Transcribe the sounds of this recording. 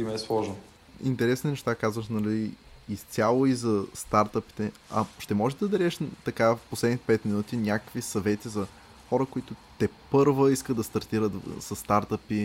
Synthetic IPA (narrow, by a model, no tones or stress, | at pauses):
imɛɛslˠɔʒno | ḭnt̪ɛɾɛsninɛʃt̪akazvəxnɐliːst̪ʲalˠoizɐst̪aɾt̪əpi̥t̪ɛɐ̰ʃt̪ɛmɔʒɛd̪ɐd̪ɐɾɛʃt̪ɐkafposlɛd̪nit̪ɛ̥pɛt̪minut̪inʲakə̥kvisɐvɛt̪izɐ | xɔɾəkʊit̪ʊt̪ɛpɤɾvəiskəd̪d̪ɐst̪ɐɾt̪iɾət̪sɐst̪aɾt̪əpi